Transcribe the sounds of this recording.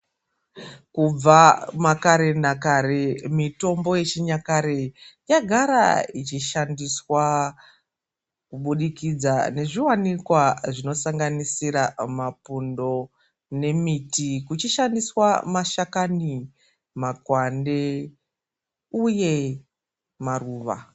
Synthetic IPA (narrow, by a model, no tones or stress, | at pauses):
kub͡vamakaɾe̞nakaɾe̞mito̞mbo̞je̞t͡ʃiɲakaɾejaɡʱaɾa̰it͡ʃiʃandiswa | kuɓuɗikid͡zane̞ʐiwanikwaʐino̞saŋɡanisiɾamapundo̞ | ne̞mitikut͡ʃiʃandiswamaʃakani | makwande̞ | uje̞ | maruːʋa̰